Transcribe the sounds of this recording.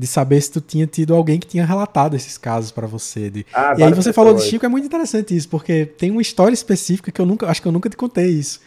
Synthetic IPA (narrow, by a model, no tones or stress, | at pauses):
d̪ɪsabeɾsɪ̥t̪ut̪ĩɲɐt̪id̪ʊawɡẽj̃kɪ̥t̪ĩɲɐɦelat̪ad̪ʊesɪ̥skazʊspɾɐvosḛd̪ɪaiaivos̬efalod̪ɪʃikɛmũj̃t̪ĩt̪eɾesɐ̃nt̪ɪisʊ̥poɾket̪ẽj̃ũmɐiʃt̪ɔɾiɐispesifi̥kɐkɪewnũkɐaʃʊ̥kɪewnũkɐt̪ɪ̥kõt̪ejisʊ̥